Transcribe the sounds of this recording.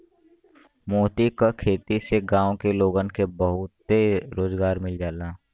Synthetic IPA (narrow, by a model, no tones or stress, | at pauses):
moːt̪ikakʰeːt̪iseɡãːõkeloːɡənkebəɦʊt̪ːeɾoːzɡaːɾmɪld͡ʒaːlaː